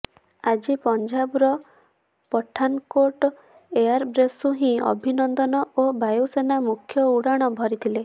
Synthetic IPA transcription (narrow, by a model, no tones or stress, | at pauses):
ad͡ʒipɔɲd͡ʒabɾɔ | pɔʈʰːankoʈɔ | eaɾbɾesuɦĩɔ̰bʱinɔnd̪ɔnɔobajusenamukʰːjɔuɽaɽ̃ɔbʱɔɾit̪ʰile